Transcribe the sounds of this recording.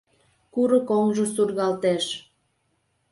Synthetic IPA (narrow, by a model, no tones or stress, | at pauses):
kuɾəkoŋʒəsurɣɑlt̪eʃ